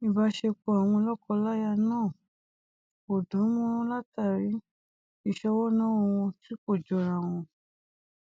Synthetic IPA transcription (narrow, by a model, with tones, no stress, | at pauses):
i˨ba˧˦ʃe˧k͡po˧a˨w̃ɔ̃˧lɔ˦kɔ˧la˦ja˧nãː˦˨ | o˨dɔ̃˨˦mũ˦ɾ̃ũ˦la˦ta˦˨ɾi˨˦ | i˦˨ʃɔ˧wɔ˦nã˦wo˧wɔ̃˧ti˦ko˦˨d͡ʒɔ˧˨ɾã˨w̃ɔ̃˧